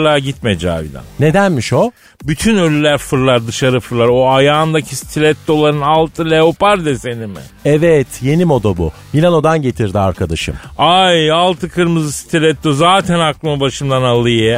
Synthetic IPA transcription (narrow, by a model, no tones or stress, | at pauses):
lˠaɟit̪med͡ʒa̰ːbḭlʲa̰nne̞d̪ænmiʃo̞ | byt̪ʰynølʲylʲæɾfɯɾlˠaɾd̪ɯʃaɾɯfɯɾlˠaɾo̞ajaːnd̪acʰisi̥t̪ʰilʲɛt̪̚d̪o̞lˠaɾɯnalˠt̪ʰɯlʲeopaɾd̪ɛse̞nimɪ̰ | ɛvɛt̪ʰje̞nimo̞d̪abṵbinɛno̞d̪anɟe̞t̪ʰiɾd̪iaɾkʰad̪aʃɯ̰majalˠt̪ʰɯkʰɯɾmɯzɯsi̥t̪ʰilʲɛt̪̚d̪ozaːt̪ʰɛnaklˠɯmɯbaʃɯmd̪analˠɯjɯ